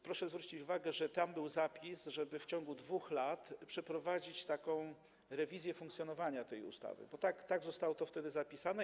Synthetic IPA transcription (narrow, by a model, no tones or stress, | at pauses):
pɾɔʂɛzvɾut͡ɕit͡ɕuvaɡɛʐɛt̪ambɘwzapʲisʐɛbɘft͡ɕɔŋɡud̪vuxlat̪pʂɛpɾɔvad͡ʑit͡ɕt̪akɔ̃w̃ | ɾɛvʲizʲjɛfũŋkt̪sjɔnɔvaɲat̪ɛjṵst̪a̰vɘ̰bɔt̪akt̪aɡzɔst̪awɔt̪ɔft̪ɛd̪ɘzapʲisanɛ